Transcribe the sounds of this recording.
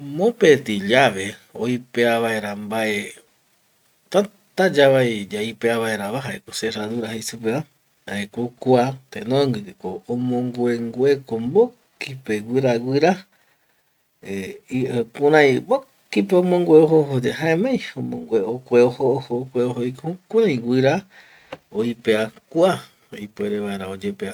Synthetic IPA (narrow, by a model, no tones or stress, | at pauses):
mõpet̪iʎaʋeo̰ipeaβaeɾambae | t̪a | t̪ad͡ʒaʋajd͡ʒaipeaβaeɾaβaɦaekoseɾaðuɾahejsupea | haekokuat̪enõŋɡɨkoõmõŋɡʷeŋɡwekombo | kipeɡʷɨɾaɡʷɨɾa | eiepũɾãj̃bo | kipeomõŋɡʷeoɦoɦod͡ʒeɦaẽmẽj̃õmõŋɡʷeokʷeohoːhokʷeoɦoikokʷãĩɡʷɨɾa | oipeakua | ipeɾeʋaeɾaod͡ʒepea